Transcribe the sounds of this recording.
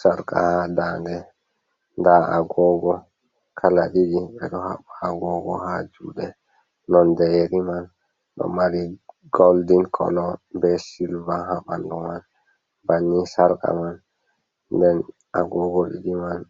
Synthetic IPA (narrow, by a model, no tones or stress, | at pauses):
saɾkʼa̰hadaːndɛ | ndaa̰ɡɔɡɔ | kʰalaɗiɗiɓɛɗɔhaɓaɡɔɡɔhad͡ʒuːɗɛː | ɔndɛjeɾiman | ɗɔ̰maɾiɡoldinkʰɔ̰lɔbɛsilvahaɓandɔman | banːisaɾka̰man | dɛn | aɡɔɡɔɗiɗiman